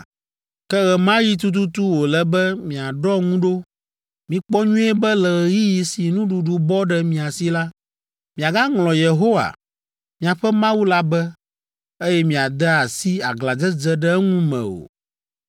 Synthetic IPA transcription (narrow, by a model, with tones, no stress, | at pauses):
kɛ˦ɣɛ˨mã˦ji˦t̪̬u˦t̪̬u˦t̪u˦wo˨lɛ˨bɛ˦mĩ˨a˨ɖɔ˦ŋũ˦ɖo˦ | mĩ˨k͡pɔ˦ɲũ˦ɛ˦bɛ˦lɛ˨ɣɛ˨ji˦ji˨si˨nũ˦ɖu˨ɖu˨bɔ˦ɖɛ˨mĩ˨a˨si˦la˦ | mĩ˨a˨ɡa˦ŋlɔ̃˨je˨ɦo˦wa̰˨ | mĩ˨a˨ɸɛ˦mã˦wu˦la˦bɛ˦ | e˦jɛ˦mĩ˨a˨d̪ɛ˦a˨si˦a˨ɡla˨d͡zɛ˦d͡zɛ˦ɖɛ˦ɛ˦ŋũ˦mɛ̰̃˨o̰˨